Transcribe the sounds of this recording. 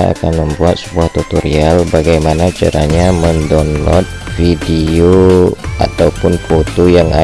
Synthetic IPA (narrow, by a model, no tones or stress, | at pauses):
a̰kanməmbuat̪̚səbuaht̪ut̪oɾialbaɡajmanat͡ʃa̰ɾaɲaməndɔnlɔ̰t̪̚fidioa̰t̪awpʊnfot̪ojaŋa̰